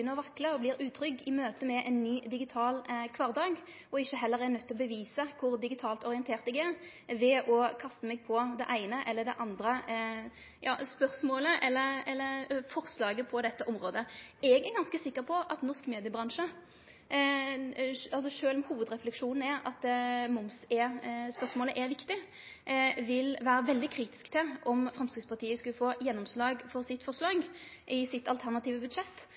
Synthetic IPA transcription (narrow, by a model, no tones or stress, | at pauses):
ʏnːəʁɔʋɑkːləɔblɪːɾʉːt̪ʰɾʏkːɪmøːt̪əmɛʔɛnːyːd̪ɪɡɪt̪ʰɑːlkʰʋɑːʁd̪ɑːɡ | ɔɪçːəɦɛlːəʁɛnœt̪ːɔbəʋiːsəkʰʊɾd̪ɪɡɪt̪ʰɑːlt̪ɔʁɪənt̪ʰeːʁt̪ɛɡɛʁ | ʋɛʔɔkʰɑst̪əmɛɡ̚pʰɔd̪ɛʔæɪnəʔɛlːəd̪ɛ̰ʔɑnd̪ɾə | jɑ̰ːspœʁsmoːləʔɛlːəɾɛlːəɾfɔʁslɑːɡəpʰɔd̪ɛt̪ːəʔɔmɾoːd̪əɛɡɛɾɡɑnskəsɪkːəʁpʰɔʔɑt̪nɔʁʂkmeːd̪ɪjəbɾɑŋʂə | ɑls̬ɔʂøːlɔmhuːʋəd̪ɾɛflɛkʂuːnn̩ɛɾɑ̰t̪mʊmsɛspœʁsmoːləʔɛɾʋɪkt̪ɪ | ʋɪlʋæːɾəʋɛld̪ɪkʰɾiːt̪ɪ̥skt̪ʰɛʔɔmfɾɑmst̪ɾɪd̪spʰɑʁt̪ʰiːəskʉləfoːjɛnːɔmslɑːɡfɔʁsɪt̪ːfɔʁʂlɑːɡʔɪsɪt̪ːɑlt̪ʰæʁnɑt̪ʰiːʋəbʉd̪ʂɛt̪ː